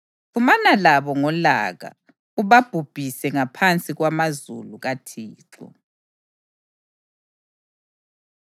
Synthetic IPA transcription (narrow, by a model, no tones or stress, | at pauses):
fumanalaβɔŋɔla̰ɣa̰ | uβab̥ʱub̥ʱisɛŋapʰant͡sʼiɣwamazṵluɣatʰiːǁɔ̰